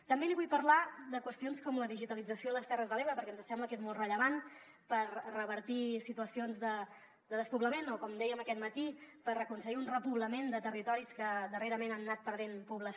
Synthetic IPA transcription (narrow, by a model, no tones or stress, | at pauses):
t̪əmbeliβujpəɾlad̪əkwəst̪ionskɔmləðiʒit̪əlid͡zəsioələst̪ɛrəzðəleβɾəpəɾkɛənzəsɛmbləkezmɔlˠt̪rəʎəβan | pərrəβəɾt̪isit̪uəsionzðə | d̪əðəspuβləmenɔkɔmd̪ɛjəməkɛt̪̚mət̪ipərrəkuns̬əɣiunrəpuβləmend̪ət̪ərit̪ɔɾiskəd̪əreɾəmenanːat̪̚pəɾð̞enpuβləs